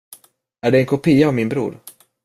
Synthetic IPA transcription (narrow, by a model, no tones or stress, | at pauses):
æɖɛɛnkʰʊpʰiːaːvmɪnbɾṵːɾ